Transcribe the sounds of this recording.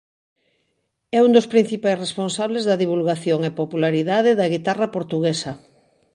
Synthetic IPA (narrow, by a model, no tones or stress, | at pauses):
ɛund̪ospɾĩn̟θipajsresponsaβlezðɐðiβ̞ulɣaθjoŋepopulaɾiðaðɪðɐɣ̞it̪arapoɾt̪uɣesɐ